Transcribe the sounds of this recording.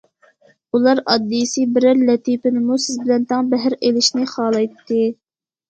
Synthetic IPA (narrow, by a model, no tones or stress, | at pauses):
ulˠɑɾɑd̪ːisɨbɪɾɪɾlɛt̪ʰipɪnɪmusɪzbɪlɛnt̪ʰɑŋbɛɦɾelɪʃnɪχɑːlˠɑjt̪ʰːɨ